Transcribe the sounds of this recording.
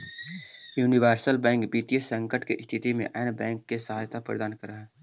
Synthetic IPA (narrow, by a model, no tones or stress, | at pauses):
juːniʋəːɾsəlbɛ̃ːŋkbiːt̪ijəsə̃ŋkəʈkeʔst̪ʰɪt̪imḛ̃ʔɛːnbɛ̃ːŋkːesəɦaːjt̪ʰapɾə̰d̪aːnkəɾaɦɛː